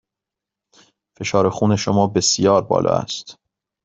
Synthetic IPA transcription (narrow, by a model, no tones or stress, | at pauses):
fe̞ʃɒːɾexuːne̞ʃomɒːbe̞sijɒːɾbɒ̰ːlɒ̰ːæ̰st̪